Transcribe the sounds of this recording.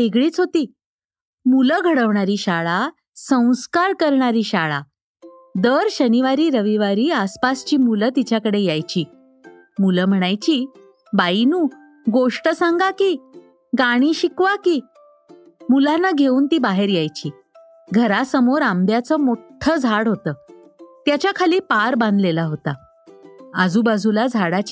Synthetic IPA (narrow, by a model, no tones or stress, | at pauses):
eɡɭiːt͡sɦot̪iː | muləɡʱəɽəʋɳaɾiːɕaɭa | sə̃w̃skaɾkəɾɳaɾiːɕaɭa̰ | d̪əɾɕəniʋaɾiːɾəʋiʋaɾiːaspast͡ɕiːmulət̪it͡ɕjakəɽejajt͡ɕiː | muləm̤əɽ̃ajt͡ɕiː | bainuː | ɡoʂʈəsaŋɡakiː | ɡaɽ̃iːɕikʋakiː | mulanːaɡʱeuːnt̪iːbaɦeɾjajt͡ɕiː | ɡʱəɾasəmoɾamd̪jat͡səːmoʈʰəd͡zʱaɽɦot̪əː | t̪jat͡ɕjakʰaliːpaɾbãnd̪əlelaɦot̪a | əd͡zuːbad͡zʱulad͡zʱaɽat͡ɕ